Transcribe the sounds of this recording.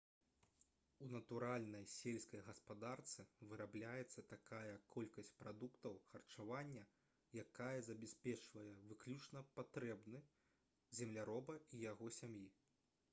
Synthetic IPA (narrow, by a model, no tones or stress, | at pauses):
unɐt̪uɾalʲnɐjsʲelʲskɐjɣɐspad̪art̪sɨvɨɾablʲajɛt̪sːɐt̪akajɐkʰɔlʲkɐsʲt͡sʲpɾad̪ukt̪ɐwxɐrt͡ʂavanʲːɐ | jakajɐzɐbʲɛsʲpʲɛt͡ʂvɐjɛvɨklʲut͡ʂnɐpat̪ɾɛbnɨ | zʲɛmlʲaɾɔbɐijaɣɔsʲamji